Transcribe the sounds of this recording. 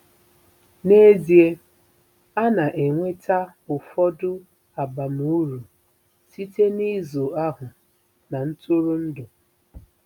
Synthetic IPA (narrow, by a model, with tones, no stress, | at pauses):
ne˦zi˨e˦ | a˦na˨ʔe˨ŋʷe˦tʰa˦ʊ˨fɔ˦dʊ˦ | a˨ba˨mu˦ɾu˨ | si˦te˦ni˦zo˨a˦ɦʊ˨ | na˨n̩˦tʊ˦ɾʊ˦n̩˦dʊ˨